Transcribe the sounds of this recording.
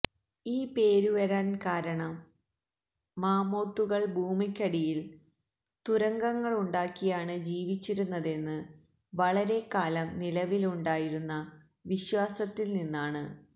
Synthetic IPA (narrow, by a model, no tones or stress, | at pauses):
iːpe̞ːɾuʋɐɾaːnkaːɾɐɳɐm | aːmo̞ːt̪ːuɣɐɭbʱuːmikʲːɐɽijil | t̪uɾɐŋɡɐŋːɐɭuɳɖaːkːijaːɳɨd͡ʑiːʋit͡ɕːiɾunːɐðe̞nːɨ | ʋɐɭɐɾe̞kaːlɐmnilɐʋiluɳɖaːjiɾunːɐ | ʋiɕwaːsɐt̪ːilninːaːɳɨ